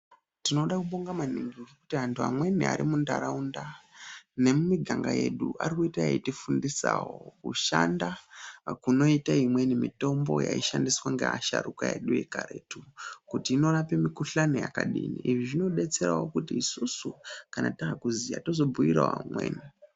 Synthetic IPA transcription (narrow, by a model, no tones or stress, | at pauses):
tino̞ɗakuɓoŋɡamaniŋɡivikutiɦantʰua̰mwe̞nia̰ɾimundaɾaunda | ne̞mumiɡʱaŋɡaje̞ɗuʔaɾikuitajaitifundisawo̞kuʃandakuno̞itaimwe̞nimito̞mbo̞̰ja̰iʃandiswaŋɡḛaʃa̰ɾukaje̞̰ɗujekaɾe̞ːtukutiːno̞rape̞mikuɬanoja̰kaɗiniʔiʐiʐino̞ɗe̞t͡se̞ɾaɦo̞kutiːsusukanataːkuzija̰tozo̞bujiɾa̰ɦa̰mwḛːni